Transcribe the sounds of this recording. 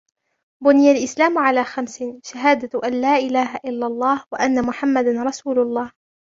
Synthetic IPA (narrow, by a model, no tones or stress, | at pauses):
bʊnɪjalʔɪslaːmʊʕalaːxamsɪʃaɦaːd̪aʔanlaːʔɪlaːɦaʔɪlːalˤːɑːhwaʔanːamʊħamːad̪anɾˤɑsuːlʊlˤːɑːh